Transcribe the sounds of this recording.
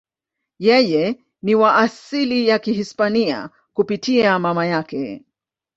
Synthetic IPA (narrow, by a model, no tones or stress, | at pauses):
jɛjɛ | niwaʔːsilijakihispania̰ | kupitʰiamamajakɛ